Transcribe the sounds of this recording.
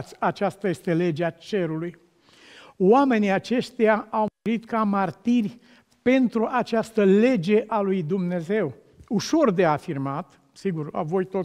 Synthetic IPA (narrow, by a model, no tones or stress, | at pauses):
t̪sʲat͡ʃast̪aje̞st̪e̞le̞d͡ʒeat͡ʃe̞ɾuluj | wame̞niat͡ʃe̞ʃt̪ejaawuɾit̪kamart̪irʲ | pe̞nt̪ɾuʔat͡ʃast̪əle̞d͡ʒe̞ʔalujd̪umne̞ze̞w | uʃo̞rd̪e̞afirmat̪ | siɡura̰vo̞jt̪o